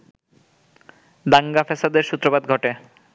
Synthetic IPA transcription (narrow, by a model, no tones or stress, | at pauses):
d̪aŋɡafɛsad̪eɾʃut̪ːɾobad̪ɡʱɔʈe